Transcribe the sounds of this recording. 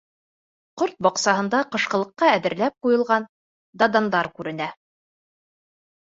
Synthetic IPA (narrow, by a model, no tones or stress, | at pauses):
qoɾt̪̚bɒqsɑɦɤ̆nd̪ɑqɤ̆ʃqɤ̆lˠɤ̆qːɑæðɘ̆ɾlæp̚qujɤ̆lˠʁɑn | d̪ɑd̪ɑnd̪ɑɾkʉɾɘ̆næ